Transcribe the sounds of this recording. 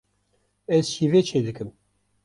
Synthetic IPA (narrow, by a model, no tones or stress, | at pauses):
ɛzʃivet͡ʃʰeːd̪ɨkɨm